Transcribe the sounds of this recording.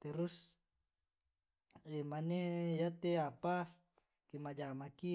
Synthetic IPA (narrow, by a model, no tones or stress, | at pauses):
t̪eɾus | emanejat̪eapa | kimad͡ʒamaki